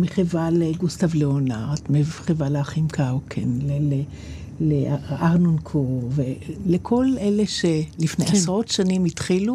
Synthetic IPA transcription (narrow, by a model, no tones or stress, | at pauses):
miχevaleɡustavleonaʁtmeχevaleaχimkʰawkʰenlele | leaʁnonkʰovelekʰolele̞ʃelifneasʁo̞tʃanimitχilu